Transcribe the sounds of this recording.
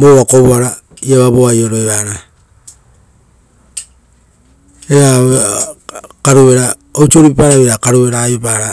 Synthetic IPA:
moβakoβuaɾa | iaβaβoajo̞ɾoeβaɾa | eɾa | kaɾuβe̞ɾa | owt͡ʃoɾipaɾaβeɾakaɾue̞ɾajopaɾa

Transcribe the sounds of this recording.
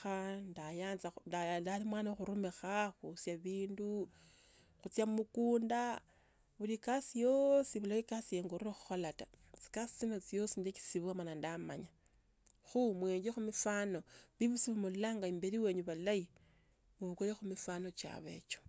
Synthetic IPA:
xandajaːnzadadalimwaːnaxuɾumexaxusjaβiːndu | xut͡sjamukuːnda | βulikasijo̞siβulaikasijeŋɡoɾiɾexu̥xolatat͡si̥kasi̥t͡sino̞t͡sijo̞sindeki̥siβuwamanandama̰ɲa | xumwe̞ːɲd͡ʒexumifano̞βiβusiβumullaŋɡaimbeɾiwe̞ːɲuβalai | βuβukojexumifano̞t͡ʃa̰βe̞̰t͡ʃo̥

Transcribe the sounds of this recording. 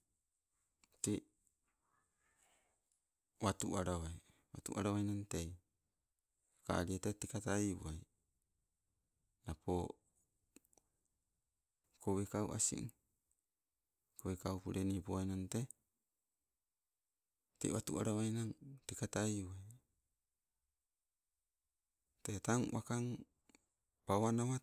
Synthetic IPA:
ti | watuʔaɾawaj | watṵʔa̰ɾawajnaŋte | ka̰ɾietetekataiṵaj | napʰo | kowekaṵʔa̰sḭ | kowekaupuɾenipowajnante | tḛwatuʔa̰ɾawajnaŋtekataiuaj | tetaŋwʔakaŋ | pawanawa

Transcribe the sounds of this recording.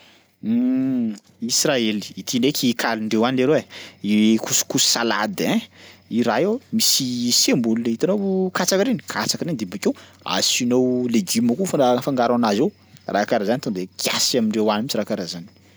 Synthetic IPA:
israeli̥it̪ʰinekʲʰikʰaliɳɖ͡ʐewanileɾee | kuskussala̰d̪ẽiɾaewmisisemulunit̪anowkat͡sakaɾeni̥kʰat͡sakɾend̪ibakew | a̰sinowleɡimakufafaŋɡaɾanazew | rakaɾazanit̪ond̪ekʰjasamiɳɖ͡ʐewanimit͡ʃiɾakaɾazani̥

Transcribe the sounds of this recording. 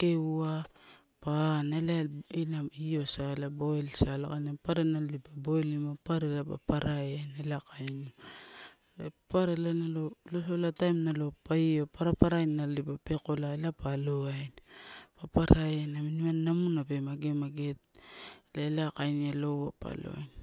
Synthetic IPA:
keua | panalaelaio̞saelaboelsala̰kanapaɾenalipabojlimapaɾelapa̰paɾaenelakajni | paɾelanalolosolatajmnalopaiopaɾapaɾajnalipapekolaelapaloajnpapaɾaenaminimanːamunape̞maɡemaɡet̚laelakajnialowapa̰lo̰a̰jn

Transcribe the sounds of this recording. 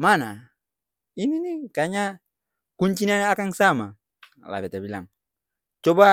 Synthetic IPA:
mana | ininikaɲa | kuɲt͡ʃinanakaŋsama | la̰bɛtabila̰ŋ | t͡ʃɔba

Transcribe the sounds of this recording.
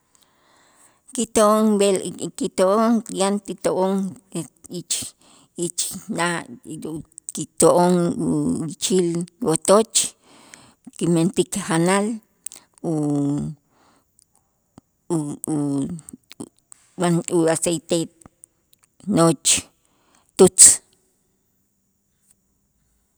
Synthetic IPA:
kit̪oʔoŋbelkit̪oʔoŋjant̪it̪oʔoŋ | it͡ʃ | it͡ʃnaʔ | kit̪oʔoŋ | it͡ʃilwot̪ot͡ʃ | kiment̪ikhanal | u | anuasejt̪e | not͡ʃ | t̪ut͡s

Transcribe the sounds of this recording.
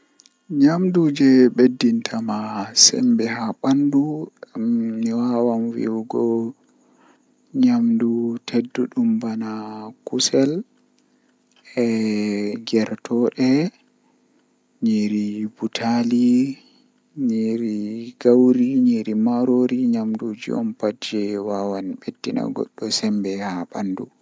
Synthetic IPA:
ɲamdud͡ʒɛɓedːintʰamasɛ̰mbɛhaɓandu | miwawanwḭwɡɔ | ɲamdutʰedːuɗumbanakusɛl | ɛ | ɡɛɾtʰɔɗɛ | ɲiɾibutʰali | ɲiɾiɡawɾiɲiɾimaɾoɾiɲamdud͡ʒiɔ̰mpad͡ʒɛwawanɓedːina̰ɡɔ̰ɗːɔsɛmbɛhaɓandu

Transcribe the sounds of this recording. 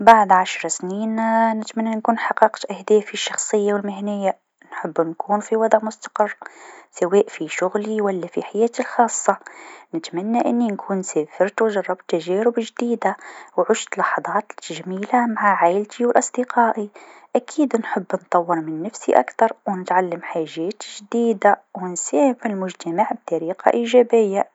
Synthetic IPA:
baʕd̪ʕaʃɾˤsniːnnɪt̪manːankuːnħɑqːɑqt̪ʔahd̪eːfiʃːɑxsˤɨjːawɪlmɪɦnɪjːa | nħɪbːnkuːnfiwɑd̪ˤʕmʊst̪ḁqɪrˤːsaweːʔfiʃʊɣliwalːafiħajeːt̪ilxɑːsˤːɑnɪt̪manːaʔɪnːinkʰuːnseːfɪɾt̪wɪʒɑrˤːɑbt̪ːaʒeːɾʊbʒd̪iːd̪awʕʊʃt̪lɑħɑðˤɑːt̪ʒamiːlamaʕaʕajlt̪ʰiwɪlʔɑsˤd̪̥iqɑːʔiʔakʰiːd̪nħɪbːnt̪ˤɑwːɪɾmɪnːafsḭʔa̰kt̪ɑɾˤwnɪt̪ʕalːamħaːʒeːt̪ʒd̪iːd̪awɪnseːhmɪlmʊʒt̪amaʕb̚t̪ɑɾiːqa̰ʔiːʒaːbɪjːa

